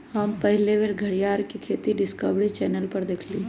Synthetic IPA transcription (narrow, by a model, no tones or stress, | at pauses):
həmpəɦleʋeɾɡʱəɽjaːɾkikʰeːt̪iɖɪskəʋɽit͡ʃɛːnəlpəɾd̪eːkʰliː